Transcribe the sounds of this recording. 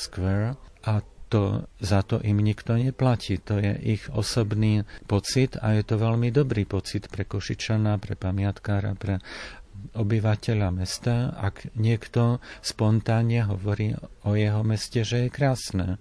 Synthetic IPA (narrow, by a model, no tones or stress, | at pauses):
skʋɛɾʔat̪ɔzat̪ɔ̰ʔimɲikt̪ɔɲɛplaciːt̪ɔjɛ̰ʔiɣɔ̰sɔbniːpɔt͡sit̪ajɛt̪ɔʋɛʎmid̪ɔbɾiːpɔt͡sit̪pɾɛkɔʃit͡ʃanapɾɛpamɪat̪kaːɾa̰pɾɛ | ɔbiʋacɛʎamɛst̪aːʔa̰ɡɲɪɛkt̪ɔspɔnt̪aːɲɲɛɦɔʋɔɾiːɔjɛɦɔmɛscɛʒɛjɛkɾaːsnɛː